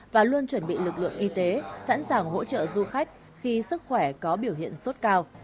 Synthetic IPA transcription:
vaː˨˩lu˧ənt͡ɕwə˧˩nɓḭ˧˨lɨ˨˩k̚lɨ̰˧˨əŋʔi˧t̪e˨˦sa̰ː˧˥nsaː˨˩ŋɦo̰˧˥t͡ɕə̰ː˧˨zu˧xa˦˥jk̟̚ | xi˧sɨ˦˥k̚xwɛ˧˩kɔ˨˦ɓi˧˩əwhḭ˧˨ənso˦˥t̚kaː˧w

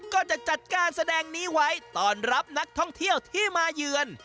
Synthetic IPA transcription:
kɔː˥˩t͡ɕa˨˩ʔt͡ɕa˨˩t̪̚kaː˧nsa˧dɛː˧ŋniː˦˥wa˦˥jt̪ɔː˧˩nɾa˦˥p̚na˦˥k̚t̪ʰɔ˥˩ŋt̪ʰi˥˩əwt̪ʰiː˥˩maː˧jɯː˧ən

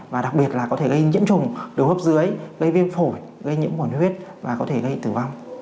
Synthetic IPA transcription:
vaː˨˩ɗa˨˩k̚ɓi˨˩ət̚laː˨˩kɔ˨˦t̪ʰe˧˩ɣə˧jɲḭ˧˥əmt͡ɕʊ˨˩ŋ͡mɗɨ˨˩whəː˦˥p̚zɨ˨˦əjɣə˧jvi˧ənfo˧˩j | ɣə˧jɲḭ˧˥əmu˧˩ənhwi˦˥ət̚va̰ː˨˩kɔ˨˦t̪ʰe˧˩ɣə˧jt̪ɨ˧˩va˧wŋ͡m

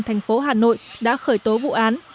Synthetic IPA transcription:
t̪ʰɛ˨˩ŋ̟fo˨˦ɦaː˨˩no̰˧˨jɗa̰ː˧˥xəː˧˩jt̪o˨˦vṵ˧˨ʔaː˨˦n

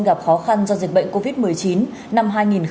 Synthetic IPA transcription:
ɣa˨˩p̚xɔ˨˦xa˧nzɔ˧zi˨˩k̚ɓə̰˧˨jŋ̟ko˧vi˦˥t̚mɨ˨˩əjt͡ɕi˨˦n | na˧mɦaː˧jŋi˨˩n

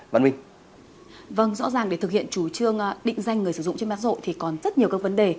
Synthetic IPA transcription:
va̰˧˨wï˧ŋ | və˧ŋzɔ̰˧˥zaː˨˩ŋɗe˧˩t̪ɨ˨k̚hḭ˧˨ənt͡ɕu˧˩t͡ɕɨ˧əŋː˧ɗḭ̈˧˨ŋ̟za˧jŋ̟ːɨ˨˩əjsɨ˧zʊ̰˧˨ŋ͡mt͡ɕe˧nma˧˦˥zo̰˧˨t̪ʰi˨˩kɔ˨˩nzə˦˥t̚ɲi˨˩əwkaː˦˥k̚və˨˦nɗe˨˩

